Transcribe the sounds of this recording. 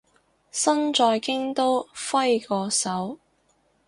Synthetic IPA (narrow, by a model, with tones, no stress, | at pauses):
sɐ˥nt͡ʃɔː˧jkɪ˥ŋt̪o˥wfɐ˥jkɔː˧sɐ˨˥w